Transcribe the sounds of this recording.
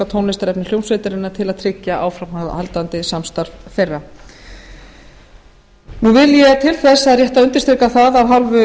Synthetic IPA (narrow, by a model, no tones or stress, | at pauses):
at̪ʰownlɪst̪aɾɛpnɪljownsvet̪ɪɾɪnːat̪ʰɪlaðt̪ʰɾɪcːaʔaːwfɾamahalt̪ant̪ɪsamst̪aɾvfejrːa | nuvɪljɛt̪ʰɪlθɛsːaðrjɛht̪aʏnt̪ɪ̥st̪ɾekaθaðawɦalvʏ